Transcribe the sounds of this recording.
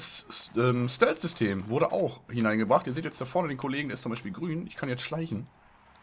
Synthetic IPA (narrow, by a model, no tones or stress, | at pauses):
sʔɛːmstɛlz̥ʏstʰeːmvʊɐɾəʔa̰ʊxhɪnaɪnɡəbʁaχtʔiːɐzeːtjɛt͡sd̥afɔɐnədeːnkʰoleːɡŋdeɐɪst͡sʊmaɪʃpiːlɡʁyːnʔɪçkʰanjɛt͡stʃlaɪçn̩